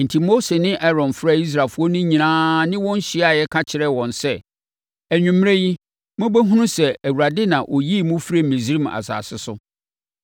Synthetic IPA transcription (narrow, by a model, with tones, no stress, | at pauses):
n̩˨tʰi˨mo˦se˨nɪ̃˦ʔɛ˦ɾɔ̃˨nfɾa˦˨i˦s̬ɾa˨lfʊ˦ɔ˦nʊ̃˦ɲĩ˨nãː˦nɪ̃˦wɔ̃˦n̩˦ɕɪ˦a˨jɛ˦kʰa˦t͡ɕʰɪ˨ɾɛ˦wɔ̃˨nsɛ˦ | æ˨ɲᶣũ˨m˦e˦ji˦ | mʊ̃˦bæ˦ɦũ˦nũ˦sɛ˨æ˨wu˨ɾa˨dɪ˦nã˨ʔɔ˨ji˦˨mʊ̃˦fɾe˦˨mẽ˨zɾi˦ma̰˨sa̰ː˨sɪ˦sʊ˦